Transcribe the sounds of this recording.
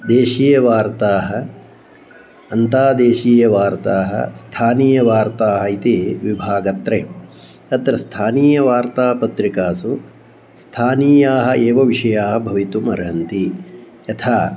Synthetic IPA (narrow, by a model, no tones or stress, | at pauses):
d̪eːʃiːjɐʋaːɾt̪aːɦɐ̆ | ɐnt̪aːd̪eːʃiːjɐʋaːɾt̪aːɦɐ̰st̪ʰaːniːjɐʋaːɾt̪aːɦɐit̪iʋibʱaːɡɐt̪ɾeː | ɐt̪ɾɐst̪ʰaːniːjɐʋaːɾt̪aːpɐt̪ɾikaːsu | st̪ʰaːniːjaːɦɐ̆ʔeːʋɐʋiʂɐjaːɦɐbʱɐʋit̪umɐ̰ɾɐɦɐnt̪i | jɐt̪ʰaː